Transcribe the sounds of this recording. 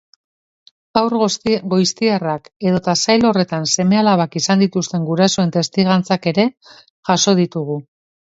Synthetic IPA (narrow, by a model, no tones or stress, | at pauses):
awɾɣo̞jst̪iarake̞ðo̞t̪asajlo̞re̞t̪anse̞me̞alaβ̞akisand̪it̪ust̪e̞ŋɡuɾaso̞e̞nt̪e̞st̪iɣant͡sake̞ɾe̞ | ʝaso̞ð̞it̪uɣ̞u